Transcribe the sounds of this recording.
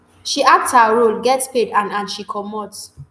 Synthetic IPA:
ʃiʔak̚tshaɹolɡɛtspedãnãnʃikʰɔmɔts

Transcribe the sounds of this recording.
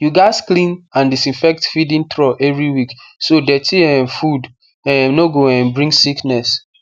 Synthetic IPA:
juɡaɪsklĩnãndisĩnfɛk̚tfidĩntɹɔʔɛvɹiwiksodɛtʰiɛ̃nfud | ɛ̃noɡoɛ̃nbɹĩŋɡsiknɛs

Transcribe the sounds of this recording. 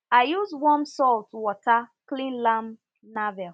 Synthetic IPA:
aɪjuzwɔ̃nsɔltwɔtʰaklĩnlãm | navɛl

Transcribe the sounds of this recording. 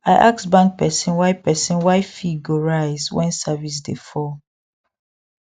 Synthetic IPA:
aɪʔaksbãŋk̚pɛsĩnwaɪpɛsĩnwaɪfiɡoɹaɪzwɛ̃nsavis̬dḛfɔ

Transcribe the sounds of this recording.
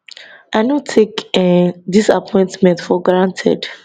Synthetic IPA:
ʔaɪnõtʰekɛdisa̰pʰɔ̃j̃ntmɛ̃ntfɔɡɹãntʰɛ̰d

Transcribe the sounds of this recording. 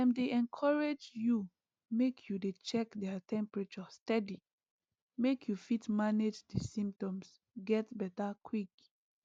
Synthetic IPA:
ɛ̃ndeʔɛ̃nkʰɔɹed͡ʒju | mekʰjudet͡ʃɛkdɛtʰɛ̃mpɹat͡ʃɔstɛdi | mekʰjufitmaned͡ʒdisĩmp̚tɔ̃ms | ɡɛtbɛtakʰwik

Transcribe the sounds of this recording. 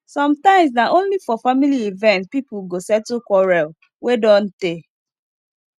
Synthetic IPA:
sɔ̃mtãɪ̃msdaʔõnlifɔfamiliivɛ̃nt̚pipʊɡosɛtokʷɔɹɛl | wedɔn̩te

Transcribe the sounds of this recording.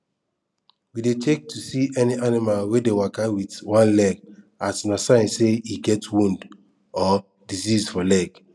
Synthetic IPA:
widetʰek̚tʰusiʔɛniʔanimalwedewakawitwãnlɛɡ | atnasãɪ̃nseiɡɛtwũnd | ɔ | dizizfɔlɛɡ

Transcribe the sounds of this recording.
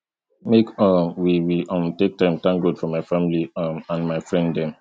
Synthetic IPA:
mekɔmwiwiʔʌ̃mtek̚tãɪ̃mtãŋɡɹodfɹɔ̃maɪfamiliʌmãnmaɪfɹɛ̃nddɛ̃m

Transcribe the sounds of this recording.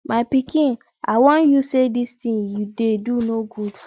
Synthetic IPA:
maɪpikĩn | awɔ̃n̩jusedistĩŋjudedunoɡud

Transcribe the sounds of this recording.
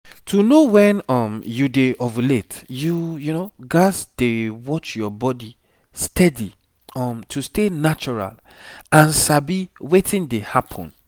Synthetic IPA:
tʰunowɛ̃nɔmjudeʔɔvletjujunoɡasd̥ewɔt͡ʃjɔbɔdi | stʰɛdi | ɔmtʰustenat͡ʃɔɹa̰l | ãnsabiwetĩndehapʰɔ̰̃n

